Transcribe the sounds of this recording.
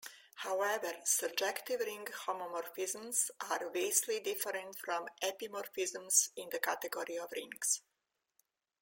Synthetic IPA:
hawɛvəɾsəb̚d͡ʒɛkt̪ivɾĩŋɡhɔmɔmɔɾfizə̃msaɾbeslidɪfəɾɛ̃ntfɾɔ̃mɛpimɔɾfizə̃msĩnd̪əkat̪ɛɡɔɾiɔvɾĩŋɡs

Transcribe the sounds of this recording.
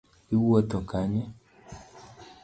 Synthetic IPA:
iwɔtɔkaɲɛ

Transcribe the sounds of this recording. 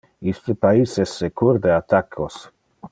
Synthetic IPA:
ist̪epaisesːekuɾd̪eat̪akʰːos

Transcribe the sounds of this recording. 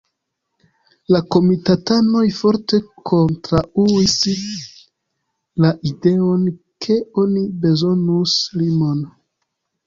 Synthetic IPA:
lako̞mitatano̞jfo̞ɾte̞kʰo̞ntɾauis | laʔide̞o̞n | kʰe̞onibe̞zo̞nuslimo̞n

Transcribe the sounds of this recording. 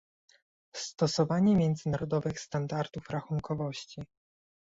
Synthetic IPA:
st̪ɔsɔvaɲɛmʲjɛnd̪zɘnaɾɔd̪ɔvɘxst̪and̪aɾd̪ufɾaxuŋkɔvɔɕt͡ɕi

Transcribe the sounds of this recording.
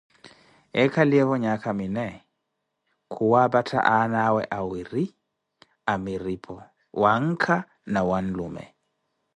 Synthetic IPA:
ɛkaliɛβɔɲakʰaminɛ | kʰuwabatʰa̰ʔanawɛʔawiɾi | amiɾipʰɔ | waŋkʰa | nawanlumɛ̰

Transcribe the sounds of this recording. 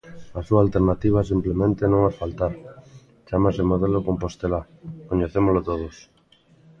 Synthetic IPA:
asualt̪eɾnat̪iβ̞as̬implemẽnt̪enõŋafalt̪aɾ | t͡ʃamasemoðelokompost̪ela | koɲeθemolot̪oð̞os

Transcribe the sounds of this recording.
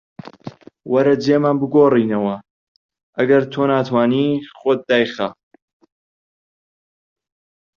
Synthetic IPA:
wɐɾɐd͡ʒeːmaːnbɨɡoːriːnɐwɐ | ʔɐɡɐɾt̪ʰoːnaːt̪ʰwaːniːχot̪̚ːaːjxa

